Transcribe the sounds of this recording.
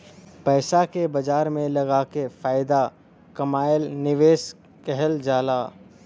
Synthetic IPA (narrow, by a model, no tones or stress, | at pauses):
pɛːsakebɐd͡ʒaːɾmẽlɐɡaːkefaːɪd̪a | kɐmaːɪlnɪʋeːs | kɛɦəld͡ʒaːlaː